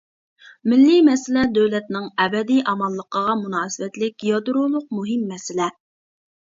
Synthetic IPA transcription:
mɪlːimɛsɪlɛd̪øwlɛt̪nɪŋɛbɛd̪iʔɑmɑlˠːəqəʁɑmunɑːsɪwɛt̪lɪkʲjɑd̪uɾulˠʊq̚muɦɪmːɛsɪlɛ

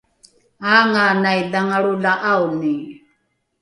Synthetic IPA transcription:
aːŋanajdaŋaɺulaʔauni

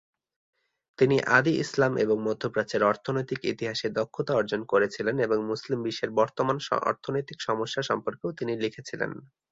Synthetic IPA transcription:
t̪iniʔad̪iʔḭslameboŋmod̪ʱːopɾat͡ɕeɾɔɾt̪ʰonojt̪ikit̪iɦaʃed̪okʰːot̪aɔɾd͡ʑonkoɾet͡ɕʰileneboŋmuslimbiʃːeɾbɔɾt̪omanʃɔ̰ɾt̪ʰonojt̪ikʃɔmoʃːaʃɔmpoɾkeot̪inilikʰet͡ɕʰilḛn

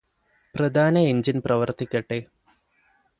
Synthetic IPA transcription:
prɐd̪ʱaːnɐeɲd͡ʑinprɐʋɐrt̪ʰikʲːɐʈːe

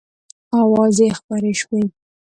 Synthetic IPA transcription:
awɑzexpɑɾeʃwi

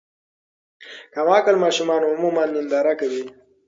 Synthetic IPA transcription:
kamɑːkəlmɑʃumɑnoʊmumanːɪnd̪ɑɾakawi

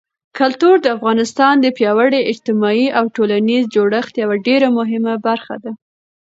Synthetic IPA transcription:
kalt̪uɾd̪əafɣɑnɪst̪ɑnd̪əpjɑwaɽeɪd͡ʒt̪ɪmɑiʔawʈolanizd͡ʒoɽəxt̪jawaɖeɾamʊɦɪmabaɾxa̰d̪a

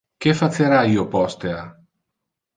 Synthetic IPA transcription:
kefɐt͡s̪eɾaiopost̪eɐ

